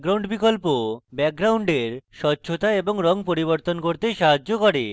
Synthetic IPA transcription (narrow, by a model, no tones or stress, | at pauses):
ɡɾawɳɖbikolpobɛk̚ɡɾawɳɖeɾʃɔtːɕʰot̪aeboŋɾɔŋp̬oɾiboɾt̪onkoɾt̪eʃaɦad͡ʑːokɔɾe